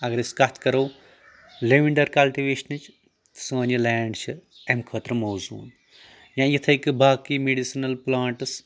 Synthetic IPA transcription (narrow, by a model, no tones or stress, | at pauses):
ɐɡɐɾiskɐt̪ʰkɐɾɐw | leʋiɳɖɐɾkɐlʈiʋeːʃɐnɨt͡ʃʰ | t̪soːnilaːɳɖt͡ʃʰi | ɐmkʰɐːt̪ɾɐmoːzṵːn | jãːjit̪ʰɐjkɨbaːkimeɖisinɐlplaːɳʈɨs